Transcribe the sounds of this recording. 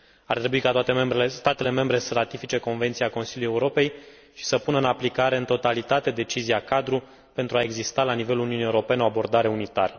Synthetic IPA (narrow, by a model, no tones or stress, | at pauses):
a̰rt̪ɾe̞buikat̪oat̪e̞membɾelest̪at̪e̞le̞me̞mbɾe̞səɾat̪ifit͡ʃe̞ko̞nvet̪siako̞nsilʲjuje̞uɾo̞pe̞j | ʃi̥səpunəɨnaplikaɾe̞ɨnt̪o̞t̪alit̪at̪e̞d̪e̞t͡ʃiziakad̪ɾu | pe̞nt̪ɾuae̞ɡzist̪alanive̞luluniunije̞uɾo̞pe̞neoabo̞rd̪aɾe̞unit̪a̰ɾə